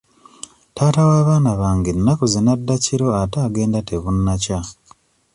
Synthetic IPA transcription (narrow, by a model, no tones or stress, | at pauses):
taːtawaːβaːnaβaːŋɡenːakuzinadːaciɾo̞ataːɡe̞ːndateβunːaca